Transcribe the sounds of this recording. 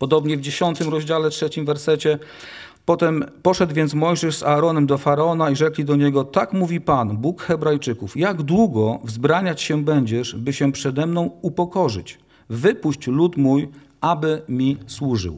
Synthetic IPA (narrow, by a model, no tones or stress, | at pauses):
pɔd̪ɔbɲɛvd͡ʑeɕɔnt̪ɘmɾɔʑd͡ʑalɛtʂɛt͡ɕimvɛɾsɛt͡ɕɛ | pɔt̪ɛmpɔʂɛd̪wvʲjɛnt̪smɔjʐɛʂzaːɾɔnɛmd̪ɔfaɾaɔnaiʐɛklʲid̪ɔɲɛɡɔt̪akmuvʲipanbukxɛbɾajt͡ʂɘkufjaɡd̪wuɡɔvzbɾaɲat͡ɕɕɛbɛɲd͡ʑɛʂbɘɕɛpʂɛd̪ɛmnɔ̃w̃upɔkɔʐɘ̰t͡ɕ | vɘpuɕt͡ɕlut̪muj | ʔabɘmʲiswuʐɘ̰w